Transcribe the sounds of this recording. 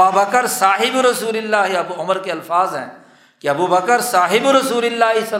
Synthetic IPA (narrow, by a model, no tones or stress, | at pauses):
aːbɐkəɾsaːɦɪbɾɐsuːlɪlːaːɦiɐbuʊməɾkeɐlfaːzɦɛ̰̃ː | kiɐbubəkəɾsaːɦɪbɾɐsuːlɪlːaːɦisɐ